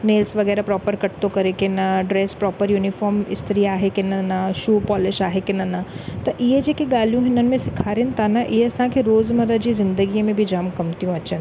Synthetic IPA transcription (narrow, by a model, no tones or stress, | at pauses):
neːlsʋɐɣɛːɾapɾɔːpəɾkɐʈ̚t̪okɐɾekenɐɖɾeːspɾɔːpəɾjuːnɪfɔːɾmɪ̰st̪əɾiaːɦekenɐnaʃuːpɔːlɪʃaːɦekenɐnat̪ɐʔɪed͡ʒeːkeɡaːljũɦɪnən̆mẽsɪkʰaːɾent̪anɐʔɪɦeɐsãkʰeɾoːzmɐɾəd͡ʒizɪ̃nd̪əɡimẽbʱid͡ʒaːmkɐmt̪ijũɐt͡ʃʰən